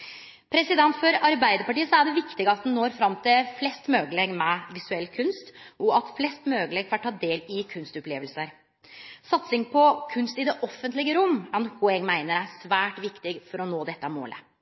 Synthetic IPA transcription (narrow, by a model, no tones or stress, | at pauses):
pʰɾɛsɪd̪ɛnt̪fɔɾɑɾbæɪd̪əɾpɑʈiːəsɔæɖɛʋɪkt̪ɪɡəɑt̪̚d̪nnoːɾfɾɑmt̪ʰɪlflɛst̪møːɡəleɡmɛʋɪsʉɛlːkʰʉnst̪ɔɑt̪flɛst̪møːɡəlɛɡfɑʈʰːɑːd̪eːlɪkʰʉnst̪ʊpleːʋəlsəɾ | sɑt̪sɪŋpʰɔkʰʉnst̪ɪd̪ɛʔɔfːənt̪lɪɡəɾʊmːɛnhuɛɡmæɪnəɾæsʋæːʈʋɪkt̪ɪɡfɔɾɔnoːd̪ɛt̪ːəmo̰ːlə̰